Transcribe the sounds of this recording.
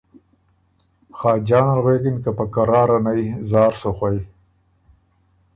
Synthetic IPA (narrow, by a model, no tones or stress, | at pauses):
xɑːd͡ʒɑːnalɣweːkinkapakaɾɑːɾanajzɑːɾsoxwaj